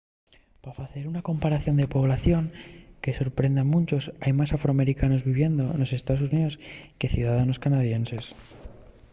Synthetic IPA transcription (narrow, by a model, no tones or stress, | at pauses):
pafaθe̞ɾunako̞mpaɾaθjo̞nd̪epo̞β̞laθjo̞ŋke̞so̞ɾpɾe̞nd̪amũnt͡ʃo̞sajmasafɾoame̞ɾikano̞zβiβ̞je̞nd̪o̞̰nose̞st̪aðosuniðo̞ske̞θjuðaðano̞skanaðje̞nse̞s